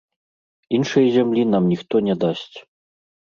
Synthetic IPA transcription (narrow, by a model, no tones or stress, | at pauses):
inʂɐjzʲamlʲinamnʲixt̪ɔnʲɛd̪asʲt͡sʲ